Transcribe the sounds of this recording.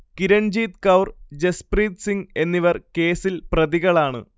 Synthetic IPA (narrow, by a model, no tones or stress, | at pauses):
kiɾɐɳd͡ʑiːt̪kɐwrd͡ʑespriːt̪siŋɡe̞nːiʋɐrke̞ːsilprɐðiɣɐɭaːɳɨ̰